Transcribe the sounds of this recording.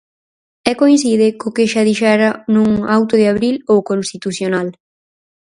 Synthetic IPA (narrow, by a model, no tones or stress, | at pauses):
ɛkoinsiðɪkokɪʃaðiʃɛɾanũŋawt̪ʊðɪaβɾilowkonst̪it̪uθjonal